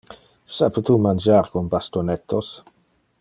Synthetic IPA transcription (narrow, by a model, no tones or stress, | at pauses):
sapət̪umand͡ʒaːɾkonbast̪onɛt̪ʰːos